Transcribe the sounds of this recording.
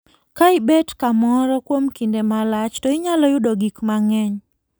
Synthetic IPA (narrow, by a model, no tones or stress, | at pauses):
kaɪbɛtkamɔɾɔkwomkindemalat͡ʃtɔɪɲalɔjʊdɔɡikmaŋɛɲ